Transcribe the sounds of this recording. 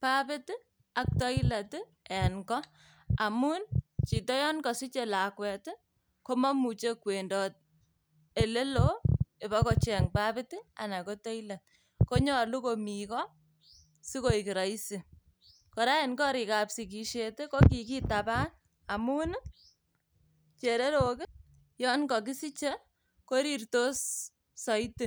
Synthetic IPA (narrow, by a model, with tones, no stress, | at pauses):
pa˦pɪ˦t | a˨k̚tɔ˦i˦la˨t | ɛ˨nkɔ˦ | a˨mu˦nt͡ʃi˨tɔ˦jɔ˦nkɔ˨si˦t͡ʃe˨la˨kwɛ˨t | ko˦ma˦mu˨t͡ʃe˦kwe˨ndɔ˨t̚ | e˨le˦lo˦e˨ba˦kɔ˨t͡ʃɛ˨ŋpa˦pɪ˦tɪ˦a̰˨na˨ko˦tɔ˦i˦la˨t̚ | ko˦ɲɔ˦lu˦komi˨kɔ˦ | si˦ko˦i˨ki˨ɾa˨i˦si˨ | kɔ˨ɾa˦e˨nkɔ˦ɾi˨ka˨psi˨ki˨ʃete˦ko˦k̬i˨k̬i˦tapa˦n | a˨mu˦n˦ | t͡ʃe˨ɾe˦ɾo˨kɪ˦ | jɔ˦nkɔ˨k̬ɪ˦si˦t͡ʃe˦ | ko˦ɾi˨rto˦s | sɔ˨i˦tɪ˨